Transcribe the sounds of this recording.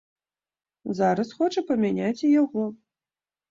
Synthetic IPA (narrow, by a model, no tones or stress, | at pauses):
zaɾɐsxɔt͡ʂɐpɐmʲanʲat͡sʲijaɣɔ